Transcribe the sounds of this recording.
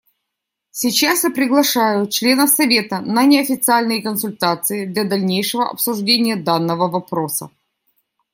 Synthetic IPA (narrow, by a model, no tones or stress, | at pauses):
sʲɪt͡ɕasjapɾʲɪɡlˠɐʂajʊt͡ɕlʲe̞nəfsɐvʲe̞t̪ənənʲɪɐfʲɪt̪sɨalʲnɨjəkənsʊlʲt̪at̪sɨɪd̪lʲɐd̪ɐlʲnʲejʂɨvəʔɐ̰psʊʐdʲenʲɪjəd̪anːəvəvɐpɾo̞sə̰